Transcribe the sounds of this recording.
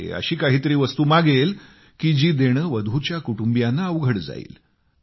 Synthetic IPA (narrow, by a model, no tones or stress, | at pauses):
ḛə̰ɕiːkaɦiːt̪əɾiːʋəst̪uːmaɡel | kiːd͡ʑiːd̪eɽ̃əʋəd̪ʱut͡ɕjakuʈumbjanːaəʋɡʱəɽd͡za̰ḭːl